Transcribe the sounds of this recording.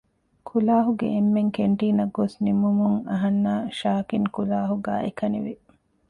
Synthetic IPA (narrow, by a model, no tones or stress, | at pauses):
kʰulaːɦuɡḛʔemːeŋkeɳʈiːnɐɡːosnimumuŋɐɦɐnːaːʃaːkiŋkulaːɦuɡa̰ːʔekɐnḭʋi